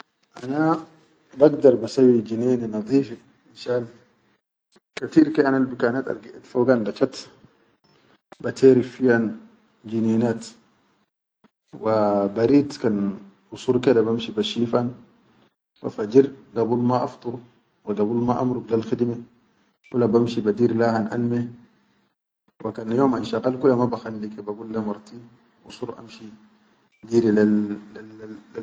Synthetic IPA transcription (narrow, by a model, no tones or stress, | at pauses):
ʔana | baɡd̪ɑɾˤbasawːid͡ʒineːninɑðˤiːfi | inʃaːn | kat̪iːɾkiʔanalbikanat̪a̰lɡiʔt̪foɡanbat͡ʃat̪ | bat̪ʰeːɾifijan | d͡ʒineːnaːt̪ | wabaɾiːt̪kan | ʔʊsuːɾkɛd̪abamʃibaʃiːfan | wa̰fad͡ʒiɾɡabulmaʔɑft̪ˤuɾu | waɡabulmaʔamɾublalxid̪me | kulːabamʃibad̪iːɾlahanʔa̰lme | wakanjoːmanʃaɣalkulːamabaxalːikabaɡulːamɑɾˤt̪iːn | ʔṵsˤuːɾʔa̰mʃi | d͡ʒiːɾila